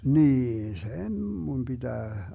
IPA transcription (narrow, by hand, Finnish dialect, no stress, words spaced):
niːn sen mun b̥id̥æː